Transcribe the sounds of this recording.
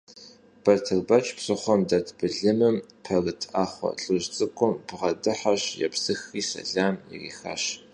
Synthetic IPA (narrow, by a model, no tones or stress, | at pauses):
b̥ɐrtʰɨrbɐt͡ʃʰʼpsʼɨχʷɔmdɐtʰbɨɮɨmɨmpʰɐrɨtʰaːχʷɔ̰ɬʼɨʒt͡sʼɨkʷʼʊmb̥ʁɐdɨħaɕjɛ̰psɨxiːsɐ̰ɮaːmjḭrḭːxa̰ɕ